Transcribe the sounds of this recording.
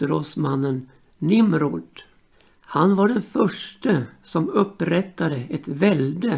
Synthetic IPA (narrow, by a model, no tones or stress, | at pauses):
əɾoːsmanːənː | ɪmɾʊʈ̪ | hanvaɖɛnfœʂʈəsɔmɵpːɾɛt̪ːad̪əɛt̪vɛld̪ə